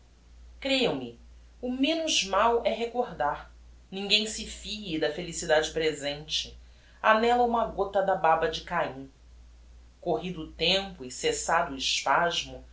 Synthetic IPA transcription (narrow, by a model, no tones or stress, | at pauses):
kɾejɐ̃w̃mɪ | ʊmẽnʊzmawʔɛɦekoɾd̪aɾ | nĩŋɡẽj̃sɪfiid̪ɐfelisid̪ad͡ʒɪpɾezẽnt͡ʃɪ | anɛlɐũmɐɡot̪ɐd̪ɐbabɐd͡ʒɪkaĩ | koɦid̪ʊːt̪ẽmpʊɪsesad̪ʊɪʃpaʒmʊ